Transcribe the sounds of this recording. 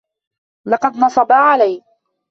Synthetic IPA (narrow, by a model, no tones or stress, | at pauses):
lɑqɑd̪nɑsˤɑbaːʕalaj